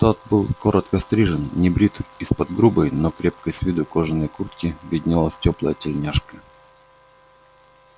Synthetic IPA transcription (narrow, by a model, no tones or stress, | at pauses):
t̪ot̪̚bɨlˠkoɾət̪kəst̪ɾʲiʐɨnnʲɪbɾʲit̪ispəd̪ɡɾubəjnokɾʲe̞p̚kəjsvʲid̪ojkoʐɨnəjkurt̪̚kʲɪvʲɪdʲnʲilˠəsʲtʲoplˠə̰jətʲɪlʲnʲaʂkə